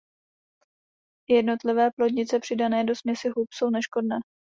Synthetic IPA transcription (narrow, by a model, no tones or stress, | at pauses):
jɛdno̞t̪lɪvɛːplodɲɪt͡sɛpr̥ɪdanɛːdo̞smɲɛsɪɦupso̞wnɛʃko̞dnɛː